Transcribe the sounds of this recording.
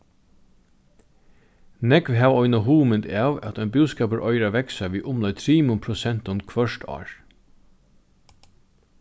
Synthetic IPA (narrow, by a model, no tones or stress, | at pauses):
nɛkʋɦæːʋɔʏnaɦuːmɪnd̪ɑːʋæ̰t̪œʏnbʉːskɑːpəɾʔɔʏɾaʋɛksaʋiːʔʊmlœjt̪ʰɾiːmʊmpʰɾʊsɛnt̪ʊnkʰʋœʂtʰɑ̰ːɹ